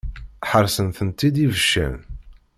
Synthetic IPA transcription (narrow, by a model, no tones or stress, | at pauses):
ħəɾˤsənθənt̪id̪ivəʃːæ̰n